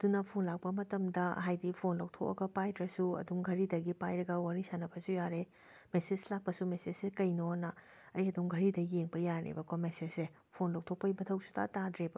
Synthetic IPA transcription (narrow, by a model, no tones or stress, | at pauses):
ɐdunɐpʰonlak̚pɐmɐtɐmdɐɦajdipʰonlɐwtʰokɐ̰ɡɐpajdɾɐsuɐ̰duŋɡʱɐɾidɐɡipajɾɐɡɐwaɾisanɐbɐsujaɾe | meseslak̚pɐsumesesekɐjnonɐ | ɐjɐduŋɡʱɐɾidɐjeŋbɐjaɾḛbɐkʰomesese | pʰonlɐw̚tʰok̚pɐjmɐtʰɐwsu̥tʰa̰tadɾebɐ